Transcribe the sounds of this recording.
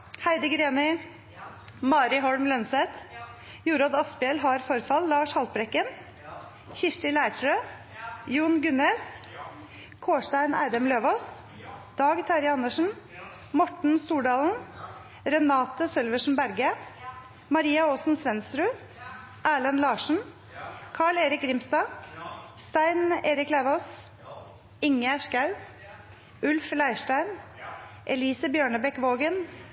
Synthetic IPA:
hæɪd̪əɡɾeːnɪ | mɑːɾɪɦɔɽmlœnsɛt̪ | juːɾoːd̪ɑspɪɛlɦɑɾfɔɾfɑlːɑːʂhɑlt̪̚bɾɛkːən | çɪʂʈɪlæɪt̪ʰɾøː | juːnɡʉneːs | kʰoːʂʈæɪnʔæ̰ːɾɛmløːʋɔs | d̪̥ɑːɡt̪ʰɑɾɪɑnːəʂn̩ | mɔʈɳ̩st̪uːɖɑːln̩ | ɾɛnɑːt̪əsœlʋəʂn̩bæɾɡə | mɑɾiːɑoːsn̩sʋɛnst̪ɾʉː | ʔæːlənlɑːʂɳ̩ | kʰɑːɭeːɾɪk̚ɡɾɪmst̪ɑː | st̪æɪneːɾɪklæːʋoːs | ɪŋəæʃkɑʉ | ʉlflæɪʃʈæɪn | ʔɛliːsəbjøːɳəbɛkʋoːɡən

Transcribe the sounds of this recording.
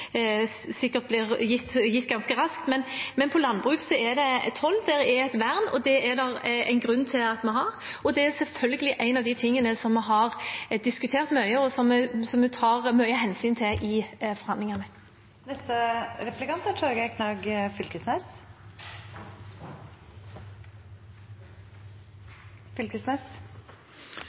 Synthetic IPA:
sɪkːəɾt̪̚blɪɾjɪt̪ːjɪt̪ːɡɑnskəɾɑskt̪mɛnmɛnpʰɔlɑnːbʁʉːksɔɛd̪ɛɛ̰t̪hɔlːd̪ɛɾɛɛt̪ʋæʁnɔ̰d̪ɛɛd̪ɑɾæ̰ɪnɡʁʉnːt̪ʰɪlɑt̪mɛɦɑɾɔd̪ɛæɾsɛlfœlɡəlɪʔæɪnɑʋd̪ɪt̪ʰɪŋːənəsɔmːɛɦɑɾd̪ɪskʉt̪ʰeːʁt̪mœʏəɔsɔmːɛsɔmːɛt̪ʰɑːɾmœʏəɦɛnsyːnt̪ʰɪʔɪfɔɾhɑnd̪lɪŋɑnə | nɛst̪əɾɛplɪkɑnt̪əʈʰuːɾɡɛkʰnɑɡfʏlkəsnɛs | fʏlkəsnɛs

